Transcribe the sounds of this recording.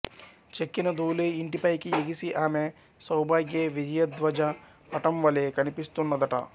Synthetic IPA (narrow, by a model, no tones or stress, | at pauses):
t͡ʃekːinɐd̪uːleiɳʈipɐjkieɡisiʔaːme | sɐwbaːɡjeʋid͡ʒɐjɐd̪ʋɐd͡ʒɐ | pɐʈɐmʋɐleːkɐnipist̪unːɐd̪ɐʈɐ̰